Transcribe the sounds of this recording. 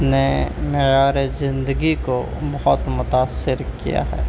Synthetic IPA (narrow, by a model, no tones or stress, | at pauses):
nemejaːɾezɪ̃nd̪əɡiko | bɐɦʊt̪mʊt̪aːsːɪɾkḭja̰ɦɛ̰